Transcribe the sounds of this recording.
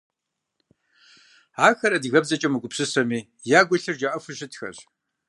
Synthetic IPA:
aːxɐɾɐdɨɣɐbzɐt͡ʃʼɐmɨɡʷʼʊpsɨsɐmiː | jaːɡʷʊɬɨrd͡ʒaʔɐfɨʃɪtxɐ̰ɕ

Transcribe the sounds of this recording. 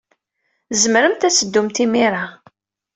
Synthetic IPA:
zəməɾəmt̪æsəd̪ːumt̪imiɾˤa

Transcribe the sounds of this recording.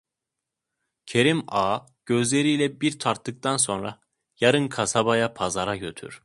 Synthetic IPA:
cʰe̞ɾimaː | ɟ̥ø̞zlʲe̞ɾijlʲɛbiɾt̪ʰaɾt̪ːɯk̚t̪ʰanso̞nɾa | jaɾɯnkʰasabajapʰazaɾaɟø̞t̪ʰy̰ɾ̥

